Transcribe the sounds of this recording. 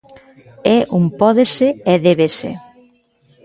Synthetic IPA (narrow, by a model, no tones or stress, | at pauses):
ɛʔumpɔðeseɛðɛβesḛ